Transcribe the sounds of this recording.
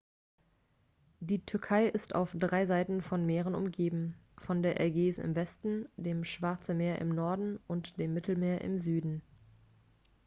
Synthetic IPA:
d̥iːtʰʏɐkʰaɪʔɪstʰa̰ʊfd̥ʁaɪzaɪtn̩fɔnmeːʁ̞ənʊ̰mɡeːbm̩ | fɔndeːɐʔɛɐɡeːzɪ̰mvɛstn̩d̥eːmʃv̥aɐt͡sn̩meːɐʔɪ̰mnɔɐdn̩ʔʊntd̥eːmːɪtl̩meːɐʔɪ̰mzyːdn̩

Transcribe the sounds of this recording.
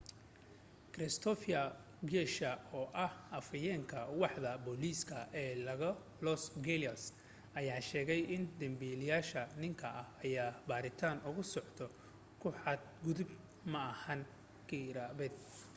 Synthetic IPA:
kɾɛst̪ʰɔfɐ | ɡɛʃɐɔːʔɐhɐfɐjɛːŋkʰɐwɑħðɐbɔliːskʰɐʔɛːlɐɣɐ | lɔsɡɛlɐs | ʔɐjaːʃɛːɣɛjʔɪnd̪ɐmbilɪjaːʃɐnɪŋkʰɐʔɐhɐjaːbaːɾɪt̪ʰaːnʊɣʊsɔʕt̪ʰɔ | kʰʊħɑd̪̚ɡʊðʊb | mɐʔɐhɐn | ɡ̥iɾaβɛd̪̚

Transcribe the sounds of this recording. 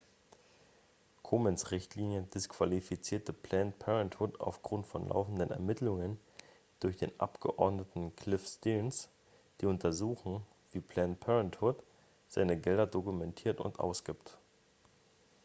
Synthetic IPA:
kʰomɛnsʁɪçtʰliːnjədɪskv̥alifit͡siːɐtəpʰlɛnpʰɛʁɛnthʊta̰ʊfɡ̥ʁʊntfɔnlʔa̰ʊfn̩dənɛ̰ɐmɪtlʊŋən | d̥ʊɐçd̥ḛːnʔa̰pɡ̥əʔɔɐdnətn̩kʰl̥ɪfstins | d̥iːʊntʰɐzuːxn̩ | v̥iːpʰl̥ɛnpʰɛʁɛnthʊt | z̥aɪnəɡɛldɐdokumɛntʰiːɐtʊ̰ntʔa̰ʊsɡ̥iːpt

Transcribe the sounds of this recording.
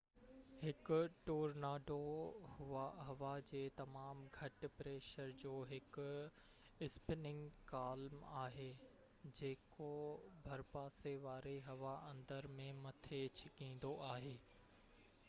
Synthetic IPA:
hɪkʊ̆ʈoːɾnaːɖohʊaɦɐʋad͡ʑeːt̪ɐmaːmɡʱɐʈ̆pɾeːʃəɾd͡ʑoːɦɪkʊ | ɪspɪnɪ̃ŋɡkaːlmaːɦeː | d͡ʑeːkobʱɐɾpaːseʋaːɾeɦɐʋaɐ̃nd̪əɾmẽmɐt̪ʰet͡ɕʰɪkĩːn̆d̪oʔaːɦeː

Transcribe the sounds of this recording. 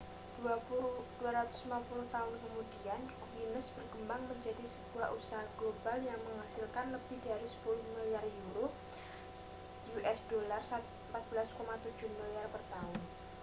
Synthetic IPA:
d̥uad̥uaɾat̪ʊ̥simapulʊht̪aʊnkəmudian | winəsb̥ərɡəmbaŋməɲd͡ʒadisəb̥uaʔusaɦaɡ̥lobaljaŋməŋasɪlkanləb̥ihdaɾisə̥pulʊhmiliarjuɾo | juʔɛsd̥olarsat̪ | mpat̪̚b̥əlaskomat̪u̥d͡ʒʊhmiliarpərt̪aʊn

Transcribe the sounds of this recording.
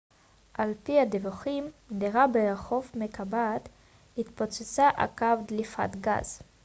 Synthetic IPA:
ʔalpihad̪evuχimdiʁabeeχovmekabat̪ | hit̪pot͡set͡saʔa̰kavd̪lifa̰t̪ɡa̰z

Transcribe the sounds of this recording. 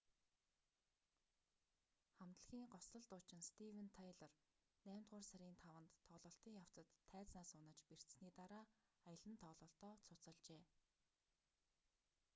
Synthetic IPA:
χam̥t̪ə̆ɮxiːŋɢɔsə̆ɮt̪ʊːt͡ɕɪ̆nst̪ʰiwĕnt̪ʰajɮɔr | næːm̥ʲt̪̚ɢʊːrsæɾʲiːnt̪ʰawə̆nt̪ʰːɔɮɞ̆ɬt̪iːŋjaw̥t͡sə̆t̪ʰːæːt͡snaːsʊnə̆t͡ɕper̥t̪sniːt̪aɾaː | ajə̆ɮə̆nt̪ʰɔɮɞ̆ːɬt̪ɔːt͡sʰʊt͡sə̆ɮt͡ɕeː

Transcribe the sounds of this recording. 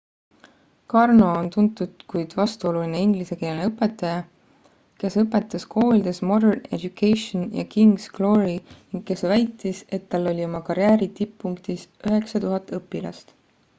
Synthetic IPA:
kɑrno̞ont̪unt̪ːˑud̪̥kujd̪̥vɑst̪uo̞luline̞iŋɡlise̞ke̞ːlneɤpːˑe̞t̪ːˑɑjɑ | ke̞sɤpːˑe̞t̪ːˑɑskʰo̞ːlʲid̪e̞smo̞d̪erne̞̰d̪ukːejʃonjɑ̰kiŋɡsɡ̥lo̞ɾiniŋɡ̥̚ke̞svæjt̪ːˑise̞t̪ːɑlːo̞lʲio̞mɑkɑɾjæːɾit̪ipːuŋkt̪isyɦe̞ksɑt̪uɦɑt̪ːˑɤpːilɑ̰st̪

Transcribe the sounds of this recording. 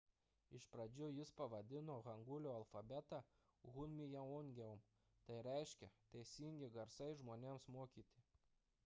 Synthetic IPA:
ɪʃpɾɐd͡ʒʲʊjɪspɐʋɐd̪ʲɪnoːɣɐŋɡʊlʲoːɐlˠfɐbʲɛt̪ɐ | ɣʊnʲmʲɪjɛɔŋʲɡʲɛʊm | t̪ɐɪɾʲɛˑɪʃʲkʲɛt̪ɐɪsʲiːŋʲɡʲɪɡɐɾsɐɪʒmoːnʲeːmsmoːkʲiːt̪ʲɪ

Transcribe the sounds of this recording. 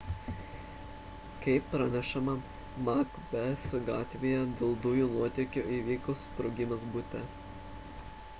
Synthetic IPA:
kɐɪpːɾɐnʲɛʃɐmɐ | mɑk | bʲɛsɡɑːt̪ʲʋʲeːjɛd̪ʲelˠd̪ʊjuːnuɔt̪ʲɛkʲoʔiːʋʲiːkospɾʊɡʲɪmɐsbʊt̪ʲɛ

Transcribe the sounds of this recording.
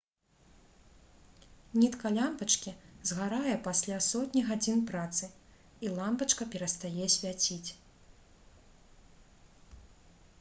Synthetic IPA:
nʲit̪kɐlʲampɐt͡ʂkʲizɣaɾajɛpasʲlʲasɔt̪ʲnʲiɣad͡zʲinpɾat̪sɨ | ilˠampɐt͡ʂkɐpʲɛɾɐst̪ajɛsʲvʲat͡sʲit͡sʲ

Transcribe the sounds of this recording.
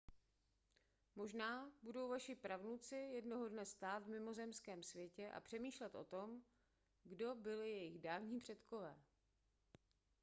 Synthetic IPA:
mo̞ʒnaːbudo̞wvaʃɪpɾavnut͡sɪjɛdnoɦo̞dnɛst̪aːt̪vmɪmo̞zɛmskɛːmsvjɛcɛʔa̰pr̝̥ɛmiːʃlɛt̪ʔo̞̰t̪o̞m | ɡdo̞bɪlɪjɛjɪɣdaːvɲiːpr̥ɛt̪ko̞vɛː

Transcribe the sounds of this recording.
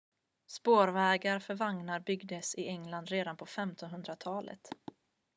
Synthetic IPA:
spoːɾvɛːɡaɾfœɾvaŋnaɾbʏɡd̪əsɪɛŋland̪ɾeːd̪anpʰɔfɛmt̪ʰɔnɦɵnd̪ɾat̪ʰɑːlə̰t̪

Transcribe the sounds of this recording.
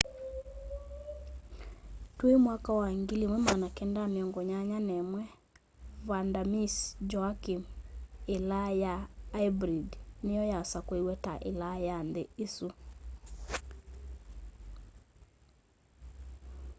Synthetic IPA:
twemwakawaŋɡilimwɛmanakɛndameɔŋɡɔɲaɲanɛmwɛ | vandamisd͡ʒɔakimelajaːibɾidnejɔjasakwewɛtaʔḛlajandeesu

